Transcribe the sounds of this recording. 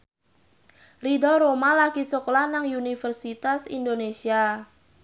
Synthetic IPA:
ridɔɾomalakisoklanaŋunifərsit̪asḭnd̪onesia

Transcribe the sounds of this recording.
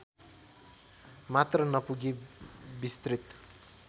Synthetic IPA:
mat̪rʌnʌpuɡibist̪rit̪

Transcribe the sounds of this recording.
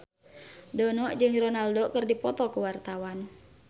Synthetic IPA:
dɔnɔʔd͡ʒɨŋrɔnaldɔkɨrdipɔt̪ɔkuwart̪awan

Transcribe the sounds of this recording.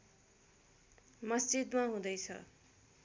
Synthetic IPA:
mʌsd͡zid̪maɦũd̪ʌjt͡sʰʌ̰

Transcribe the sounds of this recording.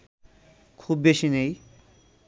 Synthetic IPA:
kʰubːeʃinej

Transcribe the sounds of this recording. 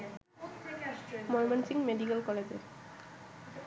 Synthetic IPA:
mɔlmensiŋmeɖikalkɔled͡ʑḛɾ

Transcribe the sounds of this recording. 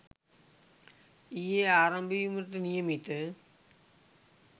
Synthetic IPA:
ijeaːɾɐmbijumɪɾt̪ːɯnɪjɐmɪt̪ːɯ

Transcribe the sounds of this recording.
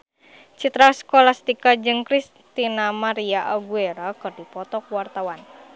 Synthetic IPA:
t͡ʃit̪ɾaskolast̪ikad͡ʒɨŋkɾis | t̪inamaɾiaʔaɡueɾakɨrdipɔt̪ɔk̚wart̪awan

